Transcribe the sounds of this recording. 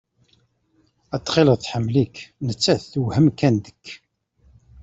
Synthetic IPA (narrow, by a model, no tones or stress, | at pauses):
æt̪ːˤχɪləʁθħəmːliknət͡sːæθθuwhəmkænd̪əkː